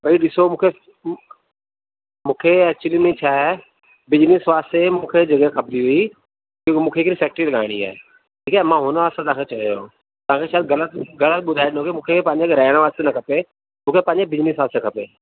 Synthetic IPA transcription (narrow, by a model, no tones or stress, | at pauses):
bʱɐiɗɪsomũːkʰe | mũːkʰeɛːk̚t͡ɕʊlimẽt͡ɕʰaːɦɛ | bɪd͡ʑnɪsʋaːst̪emũːkʰed͡ʑɐɡekʰɐb̚diɦʊi | kmũːkʰeɪkɾisɛːk̚ʈɾilɐɠaːɪɽ̃ia̰ːḛ | ʈʰiːkaːɦemãɦʊnəʋaːst̪ãt̪ɐɦãket͡ɕɐɾjo | t̪ɐʋãːkʰeʃaːd̪ɡɐlət̪ɡɐlət̪̚ɓʊd̪ʱaːɪɗɪnõːkemũːkʰepɐ̃ɦɪ̃ɲd͡ʑeɡɾaːɪɽ̃ʋaːst̪enɐkʰɐpe | mũːkʰepɐ̃ːɪ̃ɲd͡ʑebɪd͡ʑnɪsʋaːsekʰɐpeː